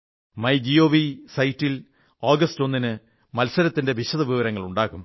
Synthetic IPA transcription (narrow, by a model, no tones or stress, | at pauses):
mɐjd͡ʑio̞ːʋisɐjtːil | oːɡɐsto̞nːinɨ | mɐlsɐɾɐt̪ːinde̞ʋiɕɐðɐʋiʋɐɾɐŋːɐɭuɳɖaːɣum